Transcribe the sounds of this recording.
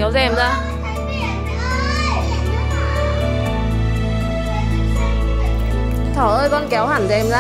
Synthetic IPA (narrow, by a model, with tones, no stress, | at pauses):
ɛ˨˦wzɛ˧mzaː˧˩˨ | t̪ʰəː˨˧˩ʔəː˧jkɔ˧˩nkɛ˨˦whaː˧˩ŋzɛ˧mzaː˧